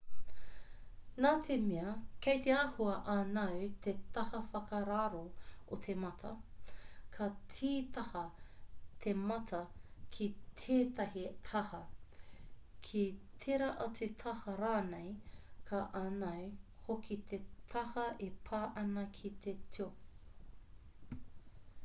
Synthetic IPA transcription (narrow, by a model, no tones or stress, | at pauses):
naːt̪ʰemiɐkejt̪eaːhuɐʔanɐwt̪ʰet̪ɐhɐfɐkɐɾaɾoot̪ʰemɐt̪ʰɐ̰ | kʰɐt͡sʰiːt̪ɐhɐ | t̪ʰemɐtʰɐkʰit̪ʰeːt̪ɐhit̪ʰɐhɐ | kʰit̪ʰeɾɐʔɐt͡sʉt̪ʰɐhɐɾaːnejkʰaʔɐnɐwhokʰit̪ʰet̪ʰɐhɐʔepʰaːʔɐnɐkʰit̪ʰetio